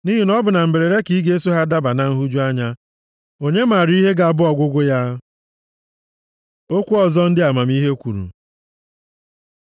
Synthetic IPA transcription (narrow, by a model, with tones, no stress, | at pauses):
ni˦ɦi˦nɔ˦bʊ˨na˨m̩˨be˨ɾe˨ɾe˦ki˦ɡe˦e˦su˦ɦa˦da˦ba˨na˨ŋ̩˦ɦu˦d͡ʒu˦a˦ɲa˦ | o˦ɲe˦ma˨ɾi˦ɦe˦ɡa˨a˨bʊ˦ɔ˨ɡʷʊ˦ɡʷʊ˦ja˦ | o˦kʷu˦ɔ˨zɔ˦n̩˦dɪ˦a˨ma˨mi˦ɦe˦kʷu˨ɾṵ˨